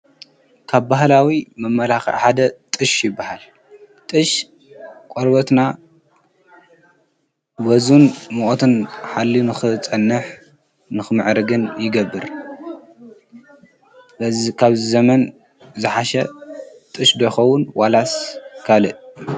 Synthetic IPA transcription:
kʰaβbaɦlawimɐmːɐlaxḭʕħad̪ɐt̪ʼɨʃjɪbːahal | t̪ʼɨʃ | kʷʼoɾbɐt̪na | wɐzunmoʔot̪ʰɨnħalːinɨxɨt͡sʼɐnːɨħ | nɨxɨmɨʕɾɨɡɨnjɪɡɐbːɨɾ | ɐzikʰaβzzɐmɐn | zɨħaʃɐ | t̪ʼɨʃd̪ɐxɐwʊnwalaskʰalɨʔ

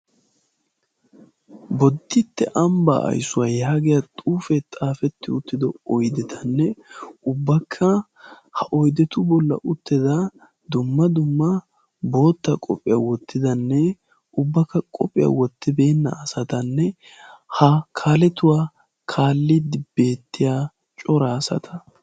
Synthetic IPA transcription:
bɔd̪ːɪt̪ːɛʔɐmbɐ̰ʔɐ̰jsʊwaːjaːɡɪjɐt̪ʼuːfɛt̪ʼaːfɛt̪ːɪʊt̪ːɪd̪ɔɔjd̪ɛt̪ʰɐnːɛʊbːɐkʰːɐ | hɐʔɔjd̪ɛt̪ʊbɔlːɐ̰ʔʊt̪ːɪd̪ɐ | d̪ʊmːɐd̪ʊmːɐ | bo̞ːt̪ːɐkʼɔ̰pʼːɪjawɔt̪ʰːɪd̪ɐnːɛ | ʔʊbːɐkːɐkʼɔpʼːɪja̰wɔt̪ːɪbe̞ːnːɐ̰ːsɐt̪ɐnːɛ | hɐkʰaːlɛt̪ʊwaː | kʰaːlːɪd̪ɪb̥e̞ːt̪ːɪjaː | t͡ʃʼɔɾaːsɐ̰t̪ʰɐ̥

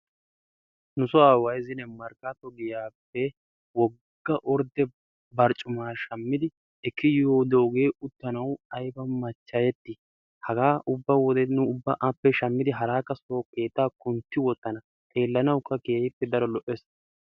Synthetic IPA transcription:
nʊsɔaːwɐjzɪnɛmɐɾkat̪ɔɡɪjaːpːɛ | wɔ | ɡːɐʔɔɾd̪ɛ | bɐɾt͡ʃʼːʊmaːʃɐmːɪd̪ɪ | ɛkʰːɪjoːd̪oːɡe̞ːʊt̪ːɐnɐwɐjbɐmɐt͡ʃːɐjɛt̪ːɪ | hɐɡaːʔʊbːɐwɔd̪ɛnʊːbːɐʔɐpːɛʃɐmːɪd̪ɪɦɐɾaːkːɐsoːke̞ːt̪ːaːkʊnt̪ːɪwɔt̪ːɐnɐ | t̪ʼe̞ːlːɐnɐwkːɐkeːhɪpːɛd̪ɐɾɔlɔʔɛs

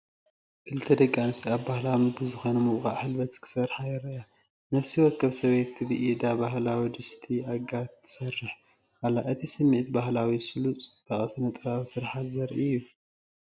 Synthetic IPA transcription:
kʰɨlɨt̪ʰːɐd̪ɐɡʼːanɨst̪iabbahlamɨbɨzɨxonɐmɨβxa̰ʔħɨlbɐt̪kʰɨ̥sɐrħajɛɾɐʔa | nɐfsiwɔkʰːɐβsɐβet̪ːɨbɨʔid̪abaɦlawid̪ɨst̪ʰiaɡat̪ʰːɨ̥sɐrːɨħ | ʔalːaɨt̪ʰisɨmːiʔt̪bahlawisɨlut͡sʼt̪ʰɐχʼɐsɨnɐt̪ʼɨβaβsɨɾħat̪zɐɾʔɨjːu

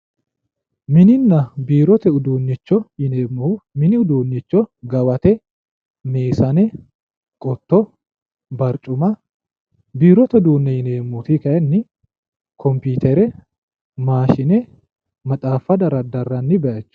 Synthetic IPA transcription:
mɪnɪnːɐbiːɾɔt̪ɛʊd̪uːnːɪt͡ʃːɔhɪneːmːmɪnɪʊd̪uːnːɪt͡ʃːɔɡɐwɐt̪ɛ | meːsɐnɛ | kʼɔt̪ːɔ | bɐɾt͡ʃʼʊmɐ | biːɾɔt̪ɛʊd̪uːnːɛjɪneːmːuːt̪ikɐɛnːɪ | kʰɔmpiːt̪ɛɾɛ | maːʃɪnɛ | mɐt̪ʼaːfːɐd̪ɐɾɐd̪ɐrːɐnːɪbɛʔɐt͡ʃːʊ̥

